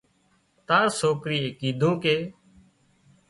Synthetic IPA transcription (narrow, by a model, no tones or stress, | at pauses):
t̪aːɾsoːkɾiːeːkiːd̪ʱũːkeː